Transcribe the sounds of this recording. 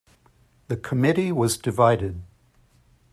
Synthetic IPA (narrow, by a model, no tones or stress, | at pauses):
ðəkʰəmɪɾiwɒzdɪvaɪɾɪd̥̚